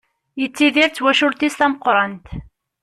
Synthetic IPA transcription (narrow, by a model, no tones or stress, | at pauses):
jət͡sːiðiɾt͡sːwæʃʊɾt̪ist̪æməqɾˤɑnt̪